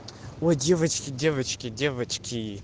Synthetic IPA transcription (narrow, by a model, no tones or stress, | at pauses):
wadʲevɐt͡ʃʰʼkʲʰʼidʲevat͡ʃʰkʲʼidʲevat͡ʃʰkʲʰi